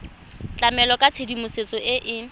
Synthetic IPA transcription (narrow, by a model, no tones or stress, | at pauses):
t͡ɬʼamɛlɔkʼat͡sʰedimʊset͡sʼɔʔɪʔɪ